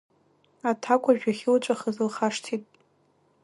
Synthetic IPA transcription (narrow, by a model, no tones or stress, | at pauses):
atʰakʷʼaʒᶣaχʲɪlt͡ʃʷʼaχəzɨlχaʂtʰitʼ